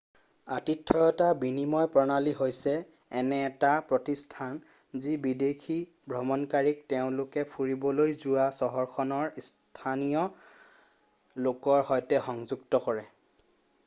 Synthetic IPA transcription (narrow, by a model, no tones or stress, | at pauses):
atitʰːɔjɔtabinimɔjpɹɔnaliɦojsɛː | nɛːtapɹɔtistʰan | zibidekʰi | bʱɹɔmɔnkaɹik̚teʊ̃lʊkɛpʰuɹibɔlojzʊwasɔɦɔɹxʰɔnɔɹs | tʰanijɔ | lokɔɹhɔjtɛxɔŋzuktɔkɔɹɛ